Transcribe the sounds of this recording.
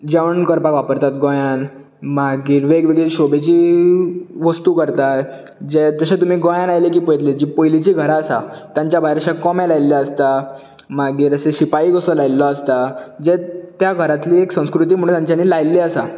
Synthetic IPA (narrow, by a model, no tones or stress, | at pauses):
d͡ʑeʋəɳkəɾpakʋapəɾt̪at̪ɡɔjãn | maɡiːɾʋeɡʋeɡɭeɕobet͡ɕiː | ʋəst̪uːkəɾt̪a | d͡ʑet̪əɕẽt̪um̤iːɡɔjanajlek̬iːpojt̪led͡ʑipojlit͡ɕiːɡʱəɾaːsa̰t̪jãɲt͡ɕjabʱajɾəɕãkɔmɛlajlːeəst̪a | maɡiːɾəseɕipaikəsɔlajlːɔəst̪ad͡ʑet̪jaɡʱəɾat̪liːeksə̃w̃skɾut̪̬iːm̤əɽ̃ũnt̪jãɲt͡ɕjaniːlajlːeəsa